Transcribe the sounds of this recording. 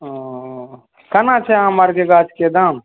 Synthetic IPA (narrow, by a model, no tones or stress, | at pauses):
kɐnat͡ʃʰɛãmaɾkeɡaːt͡ʃʰked̪am